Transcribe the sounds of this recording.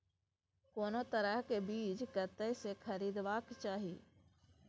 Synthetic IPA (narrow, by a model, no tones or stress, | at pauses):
koːnot̪əɾəɦkebiːt͡ʃkət̪əsekʰəɾiːd̪ʋaːkt͡ʃaːɦiː